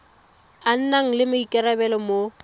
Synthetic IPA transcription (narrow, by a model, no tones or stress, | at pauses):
an̩naŋ̩lɪmɪikʼɛɾabɛlɔmo